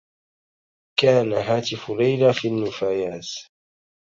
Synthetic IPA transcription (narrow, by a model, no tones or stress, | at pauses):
kaːnaɦaːt̪ɪfʊɾajɾafiːnːʊfaːjaːt̪